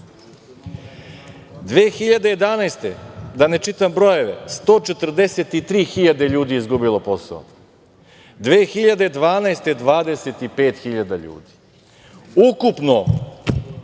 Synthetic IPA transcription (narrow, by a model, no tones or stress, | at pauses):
d̪ʋeːxiʎad̪eje̞d̪anajst̪e̞d̪ane̞t͡ʃit̪ambɾo̞je̞ʋḛst̪o̞ːt͡ʃet̪r̩d̪eset̪it̪ɾiːxiʎad̪e̞ʎuːd̪iizɡubilˠo̞po̞sa̰o̰ | d̪ʋeːxiʎad̪e̞d̪ʋaːnaest̪e̞d̪ʋaːd̪eset̪ipe̞ːt̪xiʎad̪aʎṵːd̪i̥ | ukupno